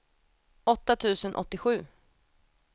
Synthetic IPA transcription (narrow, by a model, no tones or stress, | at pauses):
ɔt̪ːat̪ʰʉ̟ːsənʔɔ̰t̪ːɪɧʉ̟ː